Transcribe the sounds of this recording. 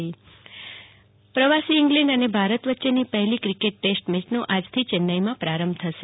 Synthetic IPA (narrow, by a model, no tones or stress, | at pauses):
i | pɾəʋasiɪŋɡlɛ̃ɳɖənebʱaɾət̪ʋətːʃenipəɦɛlikɾikeʈ̚ːesʈmɪt͡ʃnõʔad͡ʒt̪ʰit͡ʃɛnːajmãpɾaɾəmbt̪ʰəʃe